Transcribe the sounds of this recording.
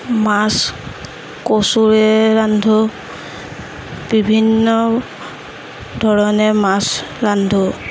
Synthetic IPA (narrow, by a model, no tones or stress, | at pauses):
mas | kosuɹɛɹandʱɔ | b̥ibʱinːɔ | dʱɔɹɔnɛmasɹandʱɔ